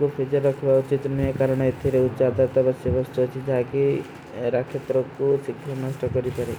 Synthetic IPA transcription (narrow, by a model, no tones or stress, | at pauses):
kupʰed͡ʒɔɾːɔkʰbaut͡ʃit̪nijekaɾɔɽ̃ɔet̪ʰiɾeutːt͡ʃɔad̪aɾt̪abasjɔbɔst̪uɦt͡ʃʰid͡ʒaɦake | ɾakʰːjet̪ɾɔkusikʰːɔnɔsʈɔkɔɾipaɾe